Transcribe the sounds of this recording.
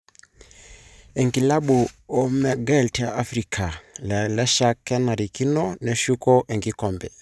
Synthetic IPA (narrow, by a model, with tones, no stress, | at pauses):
e˨ŋɡi˨la˦ɓu˨o˦mɛ˨ɡa˦˨lta˨ʔa˦fɾikʰa˨llɛ˦ʃa˦kːɛ˦na˨ɾi˨ki˦nɔ˦nɛ˨ʃu˦kɔ˦ʔe˨ŋɡi˦kɔ˨mbɛ˨